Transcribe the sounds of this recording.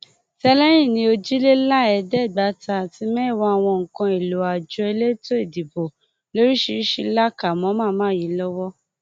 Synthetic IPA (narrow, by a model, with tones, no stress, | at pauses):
tɛ˧lɛ˦j̃ĩ˦˨nĩ˧˦o˧d͡ʒi˦le˦la˦ɛ˧dɛ˦˨ɡ͡ba˨˦ta˧˨ti˨˦mɛ̃˦˨wa˧˦a˧˨w̃ɔ̃˧ŋ̩˨kã˧e˨lo˨a˨d͡ʒɔ˧e˧le˦to˦e˦˨di˨bo˨ | lo˨˦ɾi˦ʃi˧˦i˦ʃi˧˦la˦ka˨mɔ̃˨˦mã˦mãː˦ji˨˦lɔ˦wɔ˦